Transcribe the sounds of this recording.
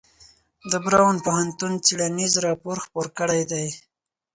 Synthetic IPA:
d̪əbɾɑwanpohant̪unt͡siɽanizɾɑpoɾxpoɾkəɽajd̪aj

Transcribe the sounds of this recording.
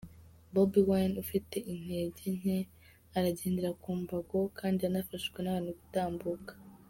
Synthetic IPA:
bobiwanufite̞ʔin̥he̞ːɟene̞ | aɾaɟeːndiɾakuːmbaɡo̞kaːndianafaʃɡwenaanukutaːmbukḁ

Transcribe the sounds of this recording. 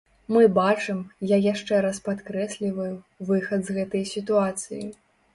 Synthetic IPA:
mɨbat͡ʂɨmjajaʂt͡ʂɛɾaspat̪kɾɛsʲlʲivɐju | vɨxɐd̪zɣɛt̪ɐjsʲit̪uat̪sɨjḭ

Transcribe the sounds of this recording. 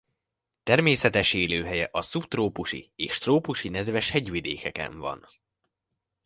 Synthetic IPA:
t̪ɛrmeːsɛt̪ɛʃeːløːɦɛjɛʔɒsupt̪roːpuʃḭeːʃt̪roːpuʃinɛd̪vɛʃhɛɟʋid̪ḛːkɛkɛ̰ɱvɒ̰n

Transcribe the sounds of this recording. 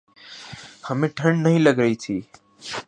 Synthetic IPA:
həmẽːʈʰəɳnəɦĩːləɡɾəiːt̪ʰiː

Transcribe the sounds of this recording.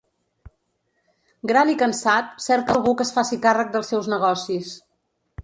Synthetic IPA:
ɡɾalikənsat̪sɛɾt̪kəlˠɣukəsfasikarək̚d̪əlˠsɛwznəɣɔsis

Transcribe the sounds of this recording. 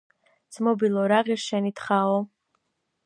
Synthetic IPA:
d̪z̥mɔbilˠɔɾaʁiɾʃɛnit̪ʰχaɔ

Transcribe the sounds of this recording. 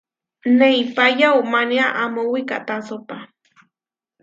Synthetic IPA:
nejpajaumaniaʔamuwika̰t̪asopa

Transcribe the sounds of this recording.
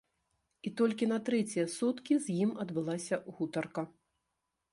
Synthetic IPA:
it̪ɔlʲkʲinɐt̪ɾɛt͡sʲijɐsut̪kʲizʲjimɐd̪bɨlˠasʲɐɣut̪ɐrkɐ

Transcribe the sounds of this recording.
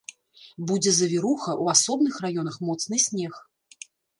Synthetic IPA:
bud͡zʲɛzɐvʲiɾuxɐʔuasɔbnɨxrajɔnɐxmɔt̪snɨsʲnʲɛx

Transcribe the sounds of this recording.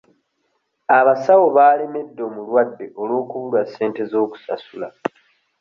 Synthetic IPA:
aβasawo̞βaːleme̞dːo̞mulwadːe̞ʔo̞lwo̞ːkuβulwasːe̞ːnte̞zo̞ːku̥sa̰sula

